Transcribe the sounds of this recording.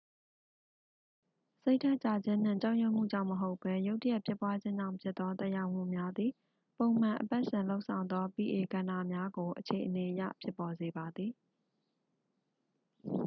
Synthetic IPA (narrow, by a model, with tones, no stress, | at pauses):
se˦ɪtʰa˦ʔt͡ɕa˨d͡ʑɪ̃˦n̥ɪ̰̃˦˨t͡ɕa˦ʊʔjʊ˦˨m̥ṵ˦˨d͡ʑã˦ʊ̃məɦo˦ʊpːɛ˦jo˦ʊtə˦jɛ˦˨pʰjɪ˦pwa˦d͡ʑɪ̃˦ɲd͡ʑã̰˦˨ʊ̃mpʰjɪ˦t̪ːɔ˦t̪ɛ˦ʔja˦ʊm̥ṵ˦˨mja˦d̪ði˨ | põ˨ʊ̃m̥ã˨ʔəpa˦ʔsɪ̃˨lo˦ʊʔsʰã˨ʊ̃nd̪ɔ˦pi˨ʔe˨ɡã˨nda̰˦˨mja˦ɡo˨ʔət͡ɕʰe˨ʔəne˨ʔəjä̰˦˨pʰjɪ˦pːɔ˨ze˨ba˨d̪ði˨